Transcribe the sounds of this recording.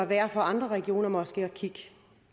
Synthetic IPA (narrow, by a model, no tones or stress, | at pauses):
ɒʋæːɐfɒ̽ɑ̈nd̥ʁɐʁɛɡ̥io̝̰ːnɐmɒ̽sɡ̥eɒkʰiɡ̥